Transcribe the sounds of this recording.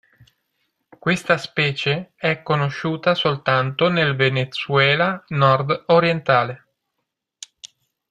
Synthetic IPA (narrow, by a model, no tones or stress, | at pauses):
kwest̪aspɛːt͡ʃeɛkːonoʃːuːt̪asolt̪ant̪onelvenet̪suɛːlanɔrd̪oɾjent̪aːle